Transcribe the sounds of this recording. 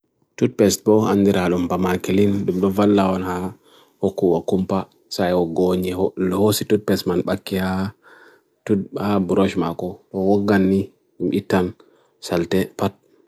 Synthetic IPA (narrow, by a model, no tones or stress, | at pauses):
tud̚pɛst̚bɔa̰ndiɾaɗumbamakelinɗumɗɔvalːawɔnha | hokːuwakumpa | sajɔɡoɲiholhositud̚pɛsmanɓakːiha | tuhabuɾɔʃmakɔɗɔwɔɡːanːi | ɗumʔitːan | saltɛpat̚